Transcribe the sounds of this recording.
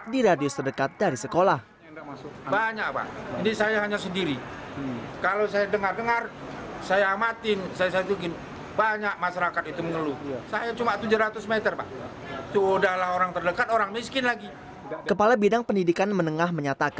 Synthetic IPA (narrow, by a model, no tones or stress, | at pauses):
diɾadiosərdəkat̪̚daɾisəkolah | baɲak̚pa̰ʔinisajaɦaɲasəndiɾi | kalowsajadəŋardəŋarsajaːmat̪ɪnsajasajat̪uɡɪn | baɲak̚maʃaɾakat̪̚it̪uməŋəlusajat͡ʃumat̪ud͡ʒuɾat̪ʊsmet̪ərpa̰ʔ | t̪udahlaɦoɾaŋt̪ərdəkat̪̚oɾaŋmiskɪnlaɡi | kəpalabidaŋpəndidikanmənəŋahməɲat̪aka